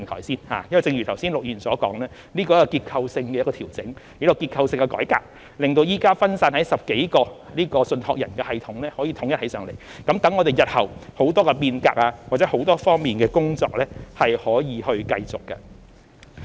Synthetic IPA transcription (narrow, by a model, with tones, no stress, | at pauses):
t̪ʰɔ̰ː˨˩siː˥nha̰ː˨jɐ˥wɐ˨jt͡sɪ˧ŋjy˨t̪ʰɐ˨˩wsiː˥nlʊ˨k̚jyː˨˩nsɔː˨˥kɔː˨˥ŋlɛː˥ | niː˥kɔː˧jkːkiː˧t̚kʰɐ˧wsɪ˧ŋkɛ˧jtkːɔː˧t̪ʰiː˨˩wt͡sɪ˨˥ŋ | i˨˥kɔ˧kiː˧t̚kʰɐ˧wsɪ˧ŋkɛ˧kɔ̰ː˨˥jka̰ː˨k̚ | lɪ˨˩ŋt̪o˧wjiː˨˥kaː˥fɐ˥nsaː˧nhɐ˨˥jsɐ˨p̚ke˨˥jkɔː˧liː˥kɔː˧sɵ˧nhɔː˧k̚jɐ̰˨˩nkɛː˧hɐ˨jt̪ʰʊ˨˧˥ŋlɛː˥hɔː˨˥jiː˨t̪ʰʊ˨˥ŋjɐ˥t̚hɐ˨˥jsœː˨˧ŋle˨˩j | kɐ˨˥mt̪ɐ˨˥ŋːɔː˨˧t̪e˨˩jɐ˨t̚hɐ˨˩who˨˥wt̪ɔː˥kɛ˧piː˧nka̰ː˧k̚aː˧wa˨t͡sɛ˨˥ho˨˥wt̪ɔː˥fɔː˥ŋmiː˨nkɛː˧kʊ˥ŋt͡sɔ̰ː˧k̚lɛː˥hɐ˨jhɔː˨˥jiː˨˧hɵ˧ɥkɐ˧jt͡sʊ˨kːɐ̰˧